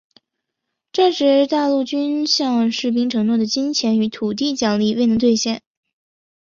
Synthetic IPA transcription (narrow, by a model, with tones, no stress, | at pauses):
ʈ͡ʂa˥˩ʈ͡ʂɻ̩˧˥t̪a˥˧lu˥˩t͡ɕy˥nɕjɑ˥˧ŋʂɻ̩˥˩p̬i˥ŋʈ͡ʂʰɤ˧˥ŋnwɔ˥˩d̪ə˩t͡ɕi˥ŋt͡ɕʰjɛ˧˥ny˧˥t̪ʰu˨˩t̪i˥˩t͡ɕjɑ˥˩ŋli˥˧we˥˩ɪnɤ˧˥ŋt̪wɪɕjɛ˥˩n